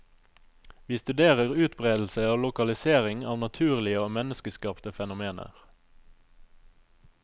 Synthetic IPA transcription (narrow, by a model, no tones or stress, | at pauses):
ʋiːst̪ʉd̪eːʁəʁʉːt̪bʁeːd̪l̩səoːlʊkɑlɪseːʁɪŋɑ̰ːʋnɑt̪ʰʉːʁlɪəoːmɛnəskəskɑːpt̪əfɛnʊmeːnə̰ʁ